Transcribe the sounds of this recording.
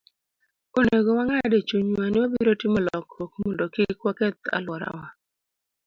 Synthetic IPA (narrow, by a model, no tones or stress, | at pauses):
oneɡowaŋadet͡ʃuɲwanɪwabiɾotɪmɔlɔkokmɔndokikwakɛt̪a̰lwɔɾa̰wa